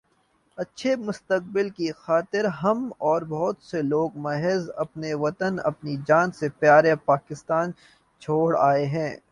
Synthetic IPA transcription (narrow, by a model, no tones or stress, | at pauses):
ɐtːʃʰemʊst̪ək̚bɪlkixaːt̪ɪɾɦɐmɔːɾbɔɦʊt̪seloːɡmɐɦeːzɐpneʋɐt̪ənɐ̰pnid͡ʒaːnsepjaːɾepaːkɪst̪aːn | t͡ʃʰoːɽaːeɦɛ̃ː